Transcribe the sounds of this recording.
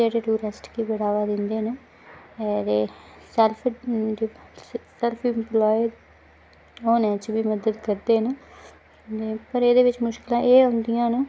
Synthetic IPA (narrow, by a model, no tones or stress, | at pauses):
d͡ʒeːɽeːʈuːɾəsʈkiːbəɽaːʋaːd̪ɪnd̪eːne | eɾeːsɛlpʰɖ | səlfʰɪmplɔːɾ | oːnẽːt͡ʃbiːməd̪əd̪kəɾd̪eːne | d̪eːpəɾeːd̪eːʋɪt͡ʃmʊʃkɪlãːʔeːɦõːnd̪ijãːne